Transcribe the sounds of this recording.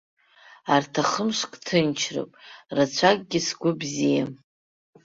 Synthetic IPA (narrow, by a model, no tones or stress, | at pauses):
artʰaχəmʂkʼtʰɨnt͡ʃʰro̰pʼrat͡ɕʷʰak̚ʼɡʲɪsɡʷʊbzija